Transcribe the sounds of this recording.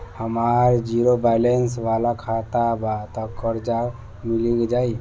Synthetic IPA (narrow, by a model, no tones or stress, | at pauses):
həmaɾd͡ʒiɾobajlens̬ʋalakʰat̪abat̪ɔkəɾd͡ʒa | miliɡed͡ʒai